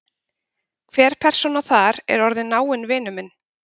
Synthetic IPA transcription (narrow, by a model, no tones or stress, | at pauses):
kʰvɛːɾ̥pʰɛr̥sɔnaθaɾɛ̰ɾɔɾðɪnːaːwɪnvɪːnʏmɪn